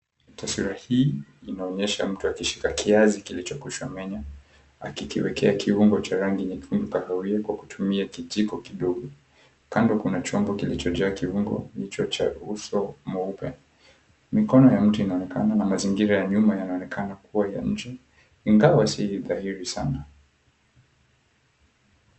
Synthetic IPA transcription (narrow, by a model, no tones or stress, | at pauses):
taswiɾahiːinaɔɲɛʃam̩tuakiʃi̥kakʰiazikilit͡ʃɔkuʃwamɛɲa | a̰kikiwɛkɛakʰiuŋɡɔt͡ʃaɾaŋɡiɲakiumbikahawiakwaku̥tʰumiakizikɔkiɗɔɡɔ | kandɔkunat͡ʃɔmbɔkilit͡ʃɔd͡ʒaːkiuŋɡɔ̰ndit͡ʃɔt͡ʃa̰usɔmɔupɛ̰ | mikɔnɔjam̩tuinaɔnɛkananamaziŋɡiɾajaɲumajanaɔnɛkanakuwaja̰ɲ̩d͡ʒɛ | iŋɡawasiiðahiɾisana